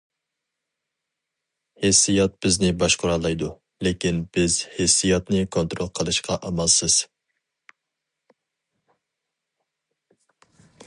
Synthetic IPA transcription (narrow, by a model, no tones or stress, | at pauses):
hesːijɑt̪̚b̥ɪznɪbɑʃqʰʊɾɑlˠːɑjd̪u | lekʲinbɪzhesːijɑt̪nɨkʰont̪ɾolˠqʰəlˠɨʃqʰɑʔɑmɑlˠsɨz̥